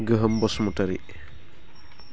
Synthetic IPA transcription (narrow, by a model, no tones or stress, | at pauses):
ɡəɦəmbɔsmɔtɐɾi